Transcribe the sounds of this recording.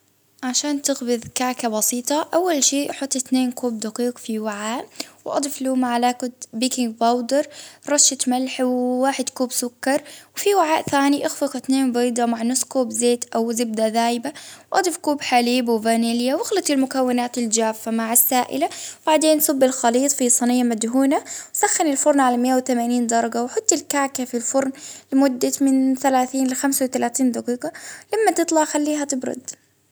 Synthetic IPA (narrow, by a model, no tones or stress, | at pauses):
ʕaʃaːnt̪ɪɣbɪðkaːʕkabɑsiːt̪ˤɑʔawːalʃiːʔħʊt̪ˤːɪθneːnkuːb̚d̪ɑqiːqfiwaʕaːʔwʔɑ̰d̪ˤɨfluːmaʕalaːkʊt̪biːkɪŋɡbɑwd̪ɑɾˤɾˤɑʃːɪt̪malħwːaːħɪd̪kuːbsʊkːɑɾˤwfiwɪʕaːʔθaːniʔɪxfɪqɪθneːnbiːd̪ˤɑmaʕnʊsˤkuːbzeːt̪ʔawzɪb̚d̪aðaːjɪbawʔɑd̪ˤɪfkuːbħaliːbwvaːniljawɪxlat̪ɪlmʊkawːɪnaːt̪ɪld͡ʒaːfːamaʕasːaːʔɪ̰labaʕd̪eːnʔsʊbːɪlxɑliːt̪ˤfisˤɑnɪjːamad̪ɦuːnawsaxːanɪlfʊɾˤnʕalamɪʔːawt̪amaniːnd̪ɑɾˤɑɡawħʊt̪ˤːɪlkaːkafilfʊɾˤnlɪmʊd̪ːamɪnθalaːθiːnlɪxamsawt̪alaːθiːnd̪ɑqiːɡɑlamːat̪ɨt̪ˤlɑxalːiːɦat̪ɪbɾʊ̰d̪